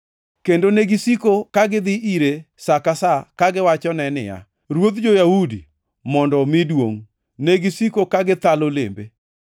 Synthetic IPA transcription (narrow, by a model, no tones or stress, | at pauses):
kendoneɡisikokaɡɪd̪ɪʔiɾe | sakasakaɡɪwat͡ʃɔnɛnɪ̰ja̰ | ɾwot̪d͡ʒojahudḭ | mɔndɔmɪdwoŋ | neɡisikokaɡɪt̪alolḛmbe